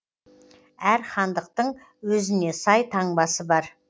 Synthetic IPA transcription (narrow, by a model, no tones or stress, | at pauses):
æɾχɑnd̪əq̚t̪əɴ | wɵzɪne̞sɑjt̪ʰɑɴbɑsəbɑɾ